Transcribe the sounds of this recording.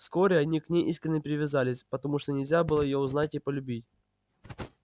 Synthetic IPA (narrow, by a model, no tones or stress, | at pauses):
fsko̞ɾʲɪɐnʲiknʲejʔiskɾʲɪnʲːəpʲɾʲɪvʲɪzalʲɪsʲpət̪ɐmuʂt̪onʲɪlʲzʲabɨlˠəjɪjoʊznatʲipəlʲʉbʲitʲ